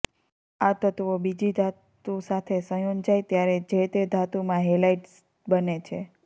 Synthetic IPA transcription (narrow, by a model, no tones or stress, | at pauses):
at̪ət̪ʋobid͡ʒid̪ʱat̪usat̪ʰesə̃jond͡ʒajt̪jaɾed͡ʒet̪ed̪ʱat̪umãɦelaiʈs | bənet͡ʃʰe